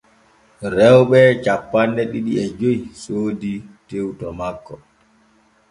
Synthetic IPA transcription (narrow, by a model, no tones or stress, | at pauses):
ɾɛwɓɛt͡ʃapːanːdɛɗiɗiɛd͡ʒojsoːditewtɔmakːɔ